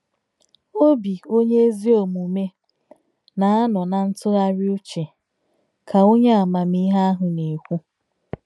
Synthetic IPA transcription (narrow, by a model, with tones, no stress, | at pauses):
o˦bi˨o˦ɲe˦zi˦o˨mu˨me˦ | na˨a˦nɔ˨na˨n̩˦tʊ˦a˦ɾɪ˦u˦t͡ʃe˨ | kʰa˨o˦ɲa˦a˨ma˨mi˦ɦa˦a˦ɦʊ˨ne˨kʷu˦